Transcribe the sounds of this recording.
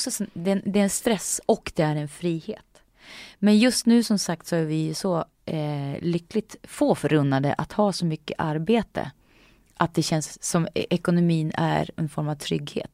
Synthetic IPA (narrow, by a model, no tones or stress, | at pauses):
ksɔsd̪ɛnd̪ɛɾɛnst̪ɾɛsːɔkːd̪ɛæɾɛnfɾiːhḛːt̪ | mɛnjɵst̪nʉ̟ːsɔmsak̚t̪sɔæɾvɪjɵsɔ | lʏkːlɪt̪foːfœɾɵnːad̪ə̰ʔat̪hɑːsɔmʏkːəʔaɾbeːt̪ə̰ | ʔat̪̚d̪ɛɕɛnsːɔmɛkʊnʊmiːnæ̰ɾɛnfɔɾmavt̪ʰɾʏɡhḛːt̪